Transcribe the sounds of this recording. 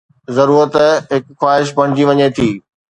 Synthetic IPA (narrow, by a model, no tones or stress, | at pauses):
zɐɾuːɾət̪ɦɪkxwaːɦɪʃpɐɽ̃ɪd͡ʑiʋɐɲet̪ʰiː